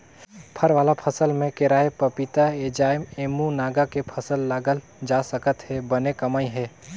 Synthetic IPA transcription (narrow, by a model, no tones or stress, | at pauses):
pʰɐɾʋaːlapʰɐsəlmẽkɪɾaːepɐpit̪aeːd͡ʒaːjmeːmunaːɡakepʰɐsəlːaːɡəl | d͡ʒaːsɐkət̪ɦɛbɐnekɐmaːiɦɛː